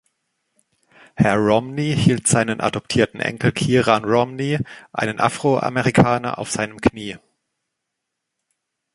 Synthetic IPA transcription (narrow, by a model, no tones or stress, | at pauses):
hɛɐʁɔmnihiːltz̥aɪnənʔa̰dɔp̚tʰiːɐtn̩ʔɛ̰ŋkl̩kʰiːʁaːnʁɔmniʔa̰ɪnənʔa̰fʁ̥oʔa̰mɛʁikʰaːnɐ̰ʔa̰ʊfz̥aɪnəmkʰniː